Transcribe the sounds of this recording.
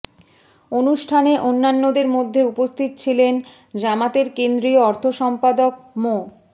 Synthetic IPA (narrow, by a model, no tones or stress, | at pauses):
onuʃʈʰaneʔonːanːod̪eɾmod̪ʱːeupost̪ʰit̪ot͡ɕʰilen | d͡ʑamat̪eɾkend̪ɾioɔɾt̪ʰoʃɔmpad̪okmo